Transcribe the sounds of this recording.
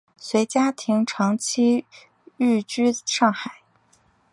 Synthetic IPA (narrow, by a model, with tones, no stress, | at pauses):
swe˧˥ɪt͡ɕja˥t̪ʰi˧˥ŋʈ͡ʂʰɑ˧˥ŋt͡ɕʰi˥ | y˥˩t͡ɕy˥ʂɑ˥˩ŋxa˨˩˦ɪ